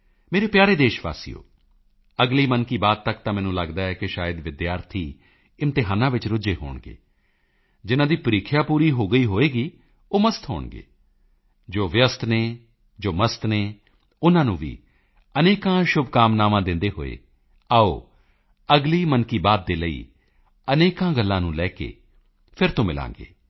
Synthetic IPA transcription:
meːɾeːpjaːɾeːd̪eːʃʋa̰ːsḭːo̰ː | əɡliːmənkiːbaːd̪̚t̪əkt̪ãːmɛ̃ːnũːləɡd̪aːɛːkɪʃaːjəd̪ʋɪd̪jaːɾt̪ʰiː | ɪmt̪ɪɦaːnãːʋɪt͡ʃɾʊd͡ʒeːɦo̰ːɳɡḛː | d͡ʒɪnãːd̪iːpəɾiːkʰːjaːpuːɾiːɦoːɡəiːɦoːeːɡiː | oːməst̪ʰɦo̰ːɳɡḛː | d͡ʒoːʋjəst̪neː | d͡ʒoːməst̪neː | ʊnãːnũːʋḭː | əneːkãːʃʊbkaːmnaːʋãːd̪ɪ̃nd̪eːɦo̰ːḛː | aːo̰ː | əɡliːmənkiːbaːd̪̚ːeːləḭː | əneːkãːɡəlːãːnũːlɛːkḛː | pʰɪɾt̪õːmɪlã̰ːŋɡḛː

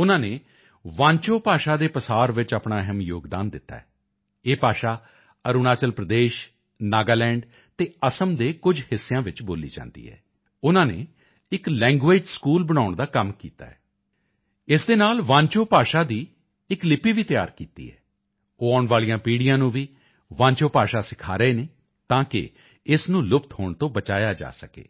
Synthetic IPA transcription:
ʊnãːneː | ʋãːnt͡ʃoːpaːʃaːd̪eːpəsaːɾʋɪt͡ʃaːpɳaːɛɦəmjo̰ːɡd̪a̰ːnd̪ɪt̪ːa̰ːɛ | eːpaːʃaː | əɾuːnaːt͡ʃəlpɾəd̪eːʃ | naːɡaːlɛ̃ːɳɖ | t̪eːəsəmd̪eːkʊd͡ʒhɪsːejãːʋɪt͡ʃboːlḭːd͡ʒã̰ːnd̪ḭːɦɛ̰ː | ʊnãːnḛː | ɪklɛ̃ːŋɡʋeːd͡ʒskuːlbəɽ̃aːʊɳd̪aːkəmkiːt̪a̰ːɛː | ɪsd̪eːnaːlʋãːɲt͡ʃoːpaːʃaːd̪iː | ɪklɪpiːʋiːt̪ja̰ːɾkiːt̪ḭːɦɛ̰ː | oːaːʊɳʋaːlijãːpiːɽijãːnũːʋiː | ʋãːɲt͡ʃoːpaːʃaːsɪkʰaːɾəeːneː | t̪ãːkɪ̰ | ɪsnũːlʊpt̪ɦoːɳt̪õːbət͡ʃaːjaːd͡ʒa̰ːsəkḛː

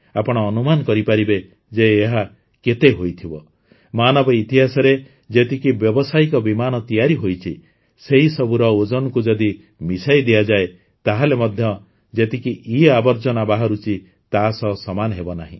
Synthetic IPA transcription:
apɔɽ̃ɔːnumanɔkɔɾipaɾibe | d͡ʒeːɦa | ket̪eɦojt̪ʰibɔ | manɔbɔit̪iɦasɔɾe | d͡ʒet̪ikibjɔbɔsaikɔbimanɔt̪ijaɾiɦojt͡ʃʰi | seɦisɔbuɾɔod͡ʒɔnɔkud͡ʒɔd̪i | misajd̪iad͡ʒae | t̪aɦalemɔd̪ʱjɔ | d͡ʒet̪ikiʔiabɔɾd͡ʒɔnabaɦaɾut͡ʃʰi | t̪asɔsɔmanɔɦebɔnaɦḭ̃

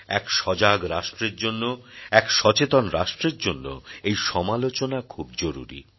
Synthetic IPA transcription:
ɛkʃɔd͡ʑaɡɾaʃʈɾeɾd͡ʑonːoɛkʃɔt͡ɕet̪onɾaʃʈɾeɾd͡ʑonːo̰ejʃɔmalot͡ɕonakʰub̚d͡ʑoɾuɾḭ

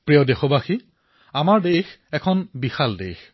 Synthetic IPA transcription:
pɹijɔdexɔbaxi | amaɹdejx | ɛkʰɔnbixaldḛjx

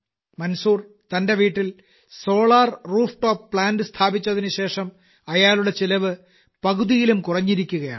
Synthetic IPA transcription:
mɐnsuːr | t̪ɐnde̞ʋiːʈːil | so̞ːɭaːrruːfʈo̞ːppɭaːndɨst̪ʰaːbit͡ɕːɐðinɨɕe̞ːʂɐm | ɐjaːluɽet͡ɕilɐʋɨ | pɐɣuðijilumkurɐɲːiɾikʲːuɣɐja̰ːɳɨ

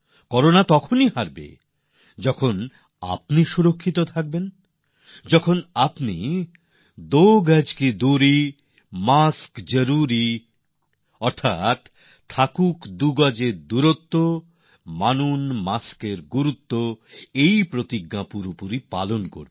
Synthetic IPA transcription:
kɔɾonat̪ɔkʰoniɦaɾbḛ | d͡ʑɔkʰon | a̰pniʃuɾokʰːit̪ot̪ʰak̚ben | d͡ʑɔkʰonapni | d̪oɡɛd͡ʑkid̪uɾi | maskd͡ʑoɾuɾi | ɔɾt̪ʰa̰t̪ʰː | akukd̪uɡad͡ʑeɾd̪uɾot̪ːo | manunmaskeɾɡuɾut̪ːoejpɾot̪iɡːapuɾopuɾipa̰lonko̰ɾb

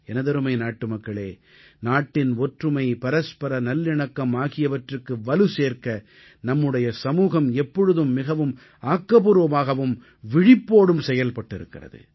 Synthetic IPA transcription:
ɛnɐðɐɾɯmɐɪnaːʈːɯmɐkːɐɭeː | naːʈːɪnɔʈrɯmɐɪpɐɾɐspɐɾɐnɐlːɪɳɐkːɐmaːɣɪjɐʋɐʈrɯkːɯʋɐlɯseːɾkɐ | nɐmːɯɽɐjɐsɐmuːɣɐmɛpːɔɻɯðɯmːɪɣɐʋɯm | aːkːɐpuɾʋɐmaːɣɐʋɯm | ʋɪɻɪpːoːɽɯmsɛjɐlpɐʈːɪɾɯ̰kːɪ̰rɐ̰ðɯ̰

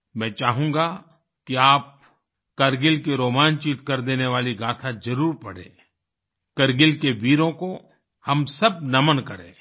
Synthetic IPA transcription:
mɛ̃ːt͡ʃaːɦũŋɡa | kiaːp̚ | kɐɾɡɪlkiɾoːmaːnt͡ʃiːt̪kɐɾd̪eːneʋaːliɡaːt̪ʰad͡ʒɐɾuːɾpɐɽ̤ḛ̃ː | kɐɾɡɪlkeʋiːɾõko | hɐmsɐb̚nɐmənkɐɾḛ̃ː

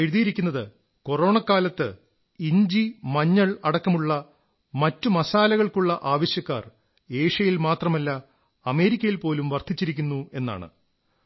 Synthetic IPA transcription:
eɻuðijiɾikʲːunːɐðɨ | ko̞ro̞ːɳɐkːaːlɐt̪ːɨ | iɲd͡ʑimɐɲːɐɭɐɽɐkːɐmuɭːɐ | mɐtːumɐsaːlɐɣɐɭkuɭːɐʔaːʋɐɕjɐkːa̰ːr | e̞ːʂɐjilmaːt̪rɐmɐlːɐ | ɐme̞ːɾikʲːɐjilpo̞ːlumʋɐrd̪ʰʱit͡ɕːiɾikʲːunːue̞nːa̰ːɳɨ̰

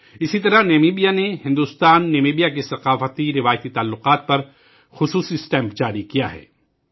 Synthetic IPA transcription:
ɪsit̪ɐɾaneːmiːbijanehɪ̃nd̪uːst̪aːnːeːmeːbijakesɐqaːfət̪iɾɪʋaːjət̪it̪aːlːʊqaːt̪̚pɐɾ | xʊsuːsisʈɛ̃ːmpd͡ʒaːɾikija̰ɦɛ̰ː

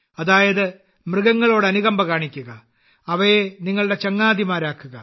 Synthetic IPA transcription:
ɐðaːjɐðɨ | mrɨɣɐŋːɐɭo̞ːɽɨɐnuɣɐmbɐkaːɳikʲːuɣɐ | ɐʋɐjeniŋːɐɭɨɽe̞t͡ɕɐŋːaːd̪imaːɾaːkːuɣɐ

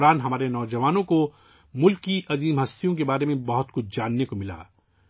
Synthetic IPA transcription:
ɾaːnɦɐmaːɾenɔːd͡ʒɐʋaːnõko | mʊlkiʔɐziːmɦɐst̪ijõkebaːɾemẽbɐɦʊt̪kʊt͡ʃʰd͡ʒaːnːekomɪla̰ː

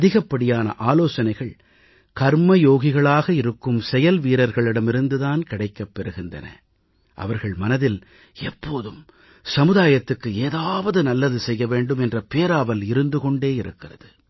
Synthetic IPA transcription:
ɐðɪɣɐpːɐɽɪjaːnɐ̰ʔaːloːsɐnɐɪɣɐɭ | kɐɾmɐjoːɣɪɣɐɭaːɣɐɪɾɯkːɯmsɛjɐlʋiːɾɐɾɣɐɭɪɽɐmɪɾɯnd̪ɯðaːnkɪɽɐɪkːɐpːɛɾɯɣɪndɐ̰nɐ̰ | ʔɐ̰ʋɐɾɣɐɭmɐnɐðɪl | ɛpːoːðɯm | sɐmɯðaːjɐt̪ːɯkːɯeːðaːʋɐðɯnɐlːɐðɯsɛjːɐʋeːɳɖɯmɛndrɐpeːɾaːʋɐlɪɾɯnd̪ɯkɔɳɖeːɪɾɯ̰kːɪrɐðɯ

